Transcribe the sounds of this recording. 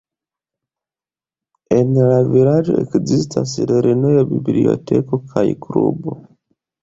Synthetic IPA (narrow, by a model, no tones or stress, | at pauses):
enlaviɾaʒo̰ḛkzista̰siɾeɾʔinojabiblḭo̰tekokʰajikɾṵbo